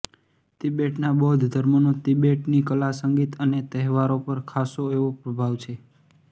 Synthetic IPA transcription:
t̪ibeʈnabəɦʊd̪ʱd̪ʱəɾmonõt̪ibeʈnikəlasəŋɡit̪ənet̪ɛɦʋaɾopəɾkʰasoeʋopɾəbʱaʋt͡ʃʰe

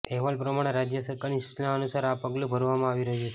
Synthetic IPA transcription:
ɛɦʋalpɾəmaɽ̃eɾad͡ʒjəsəɾkaɾnisu̥t͡ʃnaənusaɾapəɡlobʱəɾʋamãaʋiɾəɦut͡ʃe

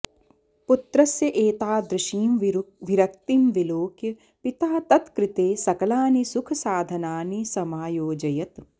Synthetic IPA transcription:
put̪ɾɐsjɐʔeːt̪aːd̪ɾɪʃiːmʋiɾɐk̚t̪imʋiloːkjɐ | pɪt̪aːt̪ɐt̪kɾɪt̪eːsɐkɐlaːnisʊkʰɐsaːd̪ʱɐnaːnisɐmaːjoːd͡ʒɐjɐt̪

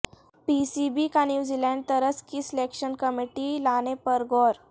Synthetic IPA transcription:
pisibikanjuzilɛ̃ɳɖ̚t̪əɾət͡skiːslekɕənkəmiʈilanepəɾɡɔɾ

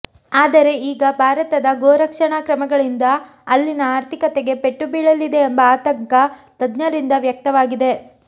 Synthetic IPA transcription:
aːd̪ɐɾe̞iːɡɐbʱaːɾɐt̪ɐd̪ɐɡoːɾɐkʂɐɳaːkɾɐmɐɡɐɭind̪ɐ | ɐlːinɐaːɾt̪ʰikɐt̪eɡe̞pe̞ʈːubiːɭɐlid̪e̞ːmbɐaːt̪ɐŋkɐt̪ɐd̪nɐɾind̪ɐʋjɐk̚t̪ɐʋaːɡid̪e̞

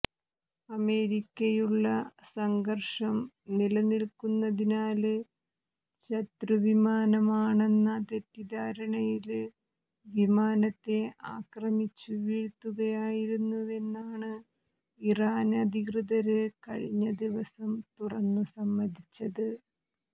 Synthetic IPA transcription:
ɐme̞ːɾikʲːɐjuɭːɐsɐŋɡɐrʂɐm | nilɐniɭkunːɐðinaːlɨ | ɕɐt̪ɾɨʋimaːnɐmaːɳe̞nːɐt̪etːid̪aːɾɐɳɐjil | ʋimaːnɐt̪ːe̞a̰ːkrɐmit͡ɕːuʋiːɻt̪ːuɣɐjaːjiɾunːue̞nːaːɳɨ | iraːnɐd̪ʱikrɨðɐɾɨkɐɻiɲːɐd̪iʋɐsɐmt̪urɐnːusɐmːɐd̪ʱit͡ɕːɐðɨ

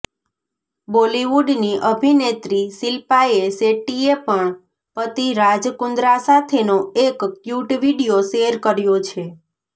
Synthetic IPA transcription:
boliʋuɖniʔəbʱinet̪ɾisilpaeseʈiepəɳ | pət̪iɾad͡ʒkʊnd̪ɾasat̪ʰenoekkjuʈʋiɖijoʃeɾkəɾjot͡ʃʰe

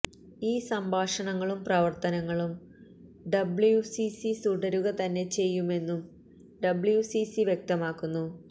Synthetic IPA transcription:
iːsɐmbʱaːʂɐɳɐŋːɐɭumprɐʋɐrt̪ɐnɐŋːɐɭum | ɖɐbɭjusisisuɖɐɾuɣɐt̪ɐnːe̞t͡ɕe̞jːume̞nːum | ɖɐbɭjusisiʋjek̚t̪ɐmaːkːunːu

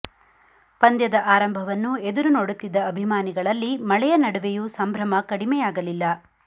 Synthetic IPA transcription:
pɐnd̪jɐd̪ɐʔaːɾɐmbʱɐʋɐnːued̪uɾunoːɽut̪ːid̪ɐːbʱimaːniɡɐɭɐlːimɐɭɛjɐnɐɽuʋejusɐmbʱɾɐmɐkɐɽimɛjaːɡɐlilːɐ

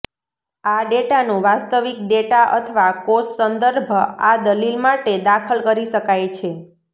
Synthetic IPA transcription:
aɖeʈanũʋast̪əʋik̚ɖeʈaʔə̰t̪ʰəʋakossənd̪əɾbʱad̪əlilmaʈed̪akʰəlkəɾiʃəkajt͡ʃʰe

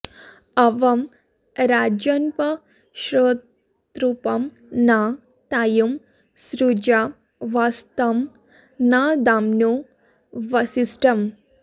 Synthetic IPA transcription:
ɐʋɐm | ɾad͡ʒɐnpɐ | ʃɾot | t̪ɾupɐm | na | t̪ajum | sɾud͡ʒa | ʋast̪ɐm | nad̪amno | ʋɐsisʈɐm

